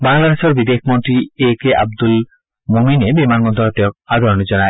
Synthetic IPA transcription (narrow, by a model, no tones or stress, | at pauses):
baŋlad̪eʃɔɾbid̪ekʰmont̪ɾiekeʔa̰b̚d̪ul | mominebimanɡɔnd̪ʱɔɦɔt̪ijɔk̚ad̪ʱɔɾnud͡ʒɔna